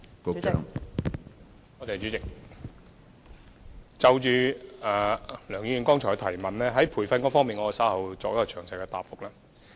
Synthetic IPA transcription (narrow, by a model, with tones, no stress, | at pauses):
ko̰˨˧˨ŋ | ŋɔː˨˧t̪e˨jt͡ʃy˨˧˥t͡sɪ˨k̚ | t͡sɐ˨wt͡ʃyː˨˧aː˨˩lœː˨˩ŋjiː˧jy˨nkɔː˥ŋt͡ʃʰɔː˨˩jt̪ʰɐ˨˩jmɐ˨nlɛː˥ɦɐ˨˥jpʰuː˨˩jfɐ˧nkɔː˥fɔː˥miː˨nŋɔː˨˧ksa˨˥whɐ˨wt͡sɔː˨k̚jkɔː˧t͡ʃʰœː˨˩ŋsɐ˨jkɛː˧t̪a̰ː˨˩pfʊ˨˥k̚laː˥